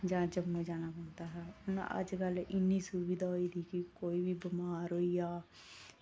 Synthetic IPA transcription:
d͡ʒãːd͡ʒəbmẽd͡ʒaːnapə̃ːnt̪aːɦɛːʊna̰ʔə̰d͡ʒkəlɪnːisubiːd̪aːɦoːit̪ʰiːkikoːibʱiːbɪmaːɾɦoːijaː

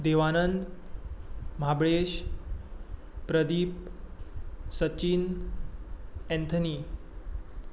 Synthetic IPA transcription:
d̪eʋanənd̪ | m̤abɭeɕ | pɾəd̪iːp | sət͡ɕin | ɛ̃nt̪ʰəniː

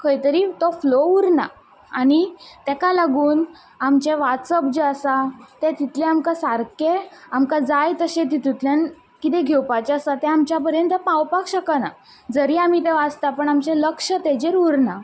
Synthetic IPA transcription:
kʰəjt̪əɾiːt̪ɔflouɾna̰ | anit̪ɛkalaɡuːn | amt͡ɕeʋat̪səp̚d͡ʑəəsat̪et̪it̪lẽamkasaɾkeamkad͡zajt̪əɕet̪̬it̪it̪ljan | kit̪ẽɡʱewpat͡ɕaəsat̪ɛ̃amt͡ɕjap̬əɾjənt̪əpãwpakɕəkana | d͡zəɾiam̤it̪ɛʋad͡zt̪apəɳamt͡ɕeləkʂət̪ɛd͡ʑeɾuɾna

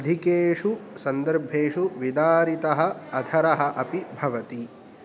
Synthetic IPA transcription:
ɐd̪ʱikeːʂusɐnd̪ɐɾbʱeːʂuʋid̪aːɾit̪ɐɦɐɐd̪ʱɐɾɐɦɐ̆ʔɐpibʱɐʋɐt̪i

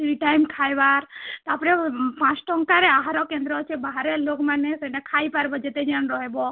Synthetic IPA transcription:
sɾiʈajmkʰajbaɾt̪ɔapɽɛpãt͡ʃʈɔŋkaɾɛaɦaɾɔkẽnd̪ɾɔt͡ʃʰebaɦaɾeloɡmãnesenɛkʰajpaɾbɔd͡ʒet̪ed͡ʒanɾɔɦebɔ

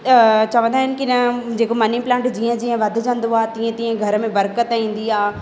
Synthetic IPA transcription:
t͡ɕɐʋə̃nd̪aːɦɪnɪkiɪnəd͡ʑeːkomɐniplãːɳʈd͡ʑiːə̃d͡ʑiːə̃ʋɐd̪ʱɪ̆d͡ʑə̃nd̪oaːt̪ĩːə̃t̪ĩːə̃ɡʱɐɾəmẽbɐɾkət̪ĩːn̆d̪iaː

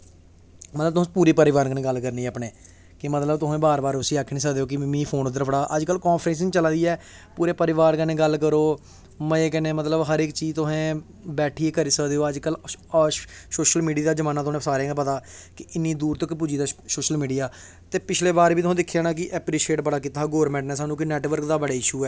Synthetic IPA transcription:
mət̪ləb̚t̪ʊɦpuːɾeːpəɾɪʋaːɾnkənẽːɡəlkəɾniːɛəpneː | kɪmət̪ləbt̪ʊɦẽːbaːɾbaːɾʊsiːaːkʰnĩːsəkd̪eːoːk̬ɪmĩːpʰoːnd̪əɾpʰəɽaːʔəd͡ʒkəlkɔːnpʰɾɛ̃ːns̬ɪt͡ʃəlaːd̪iːɛː | puːɾeːpəɾɪʋaːɾkənẽːɡəlkəɾoː | mɛ̃eːk̬ɛːnẽːmət̪ləbɦəɾɪkt͡ʃiːt̪ʊɦẽː | bɛːʈʰiːeːkəɾiːsəkd̪eːoːəd͡ʒkəlː | soːʃəlmiːɖijaːd̪aːd͡ʒəmaːnaːt̪ʊ̃ːsaːɾeãːpət̪aːkɪɪnːĩːd̪uːɾt̪okːp̬ud͡ʒiːd̪aːsoːʃəlmiːɖijaː | t̪eːpɪt͡ʃʰleːbaːɾbiːt̪ʊɦẽːd̪ɪkʰːjaːnãːk̬ɪʔɛːpɾiːʃeːʈbəɽaːkit̪ʰaːɡɔːɾmɛ̃ːɳʈnɛ̃ːsaːnũːkɪnɛːʈʋəɾkd̪aːbəɽaːɪʃuːɛː

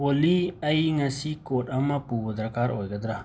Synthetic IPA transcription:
oliɐiŋɐsikoːʈɐmãpuːʋəd̪ɾɐkaːɾoːjɡɐd̪ɾa

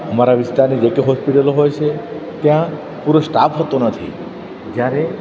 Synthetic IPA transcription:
ɔmaɾabist̪aɾnid͡ʒekeɦɔspiʈaloɦojt͡ʃʰe | t̪eã | puɾosʈapʰɦɔt̪onɔt̪ʰḭ | d͡ʒaɾe

